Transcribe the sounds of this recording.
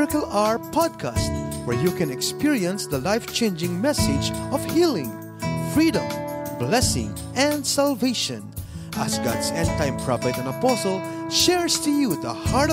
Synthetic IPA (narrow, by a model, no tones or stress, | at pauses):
ɪkəlaɹpɑd̪̚kʰast̪̚wɛɹjukɛ̃nɛkspiɹiə̃nsd̪ɐlajft͡ʃẽnd͡ʒɪ̃ŋmɛsɪd͡ʒɔvhilɪ̃ŋ | fɹidɔ̃mblɛsɪ̰̃ŋ | ʔɛ̃nd̪salveɪʃɔ̰̃nʔasɡa̰dsɛ̃nt̪ãj̃mpʰɹafɛt̪ɛ̃nɐpɔsɔlˠ | ʃɛɹst̪ujud̪ɐhaɹɾ